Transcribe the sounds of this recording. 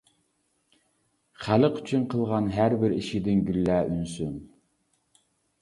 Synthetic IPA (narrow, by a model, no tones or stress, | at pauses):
χæləqy̥t͡ʃʰynqʰəlˠʁɑnɦæɾbɪɾiʃid̪ɪnɡʲylːæːʔynsym